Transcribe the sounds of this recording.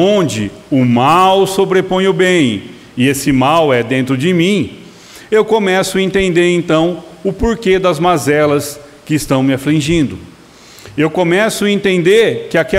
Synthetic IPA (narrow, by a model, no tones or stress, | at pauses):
õd͡ʒɪʊmawsobɾepõj̃ʊbẽj̃ | ɪesɪmawɛd̪ẽnt̪ɾʊd͡ʒɪmĩ | ewkõmɛsʊɐẽnt̪ẽnd̪eɾẽnt̪ɐ̃w̃ʊpoɾked̪ɐzmazɛlɐs | kɪːst̪ɐ̃w̃mɪaflĩʒĩnd̪ʊ | ewkõmɛsʊɐẽnt̪ẽnd̪eɾkɪakɛ